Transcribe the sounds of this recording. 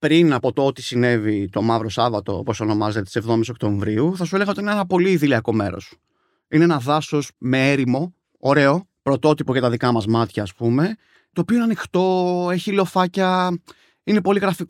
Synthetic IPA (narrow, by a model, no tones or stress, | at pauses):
pɾinɐpo̞t̪o̞ot̪i̥sine̞vit̪o̞mɐvɾo̞sɐvɐt̪o̞̰o̰poso̞no̞mɐze̞t̪et̪i̥sevðo̞missokt̪õ̞ɱvɾiuθɐsueleɣɐot̪iinenɐpo̞liːðiliɐko̞me̞̰ɾo̞̰s | ine̞enɐðɐso̞sme̞eɾimo̞ | oɾe̞o̞ | pɾo̞t̪o̞t̪ipo̞cet̪ɐðikɐmɐzmɐt̪çɐːspume̞ | t̪oːpioenɐnixt̪o̞e̞çilofɐcɐ | ine̞po̞liɣɾɐfik